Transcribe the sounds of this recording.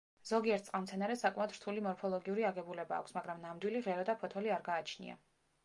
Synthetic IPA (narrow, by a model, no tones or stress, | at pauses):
z̥ɔɡiɛɾt̪sqʼamt̪sʰɛnaɾɛsakʼmaɔd̪ɾt̪ʰulimɔɾpʰɔlˠɔɡiuɾiaɡɛbulɛba̰ːkʷsmaɡɾamnamd̪wiliʁɛɾɔd̪apʰɔt̪ʰɔliaɾɡaːt͡ʃʰnḭa̰